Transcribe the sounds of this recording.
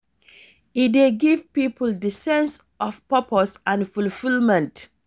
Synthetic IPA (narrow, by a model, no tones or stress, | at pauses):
ideɡivpipʰəldəsɛ̃ns | ʔɔfpəpʰɔsãnfulfilmɛ̃nt